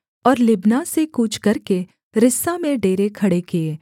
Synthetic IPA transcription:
ɔːɾlɪbnasekuːt͡ʃʰkɐɾke | ɾɪsamẽɖeːɾekʰɐɽekeeː

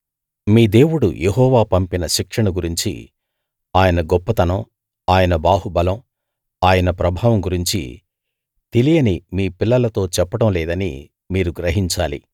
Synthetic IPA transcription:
miːd̪e̞ːwuɽṵjʔeɦɔːʋaːpɐmpinɐʃikʂɐɳɐɡuɾiɲt͡ʃḭ | aːjɐnɐɡɔpːɐt̪ɐnɐm | aːjɐnɐbaːɦubɐlɐm | aːjɐnɐpɾɐbʱaːʋɐmɡuɾiɲt͡ʃḭ | t̪elijɐnimiːpilːɐlɐt̪o̞ːt͡ʃɛpːɐɽɐmlɛːd̪ɐnḭ | miːɾuɡɾɐɦiɲt͡ʃaːlḭ

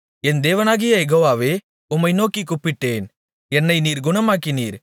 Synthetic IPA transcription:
ɛnd̪eːʋɐnaːɣɪjɐjɛɣoːʋaːʋeː | ʊmːɐɪnoːkːikːʊpːɪʈːeːn | ɛnːɐɪniːɾɡʊnɐmaːkɪnḭːɾ

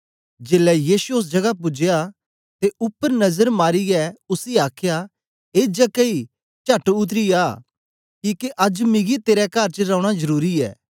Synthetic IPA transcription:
d͡ʒeːlɛjiːsuʊs̬d͡ʒɐɡap̬ʊd͡ʒja | t̪eʔʊpːəɾnɐzəɾmaːɾiɛʊsiaːkʰja | eːd͡ʒɐkːɐi | t͡ʃɐʈʊt̪̬ɾiaː | kiːkeʔɐd͡ʒmɪɡit̪eːɾɛkɐɾt͡ʃəɾãːʊɽ̃azɐɾuːɾiɛ̰ː

